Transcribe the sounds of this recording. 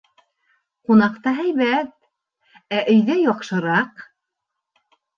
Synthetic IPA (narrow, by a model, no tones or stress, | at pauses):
qunɑqt̪ɑɦæjβæt̪̚ | æʔɵ̆jðæjɒqʃɤ̆ɾɑq